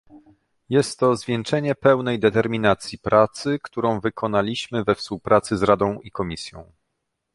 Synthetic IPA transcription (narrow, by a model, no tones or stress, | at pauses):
jɛst̪ːɔzvʲjɛnt͡ʂɛɲɛpɛwnɛjd̪ɛt̪ɛɾmʲinat̪sʲjipɾʔat̪sɘkt̪uɾɔ̃w̃vɘkʰɔnalʲiɕmɘvɛfspuwpɾʔat̪sɘzɾad̪ɔ̃w̃ʔikɔmʲisʲjɔ̰̃w̃